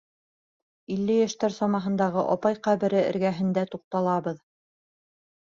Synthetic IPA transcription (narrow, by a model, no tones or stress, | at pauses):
ilːɘjæʃt̪æɾsɑmɑɦɤ̆nd̪ɑʁɤʔɒpɑjqæβɘ̆ɾɘɘ̰̆ɾɡæɦɘ̆nd̪æt̪uq̚t̪ɑlˠɑβɤð